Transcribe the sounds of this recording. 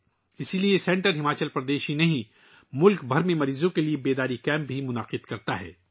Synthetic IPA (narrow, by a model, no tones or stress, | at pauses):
ɪsiliesɛ̃ɳʈəɾɦɪmaːt͡ʃəlpɾɐd̪eːʃinɐɦĩ | mʊlkbʱɐɾmẽmɐɾiːzõkeliebeːd̪aːɾikɛ̃ːm̚bʱimʊnaːqɪd̪kɐɾt̪aɦɛ̰ː